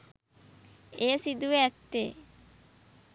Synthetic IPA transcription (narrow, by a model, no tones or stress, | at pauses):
eːsid̪uʋeæt̪ːeː